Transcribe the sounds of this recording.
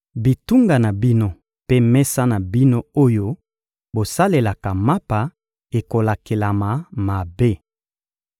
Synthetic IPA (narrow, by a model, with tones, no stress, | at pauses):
bi˨tu˦ŋɡa˨na˨bi˦no˦ | pe˦mɛ˦sa˦na˨bi˦no˦o˦jo˦ | bo˨sa˦le˨la˨ka˨ma˦pa˨ | e˨ko˨la˨ke˨la˨ma˨ma˨be˦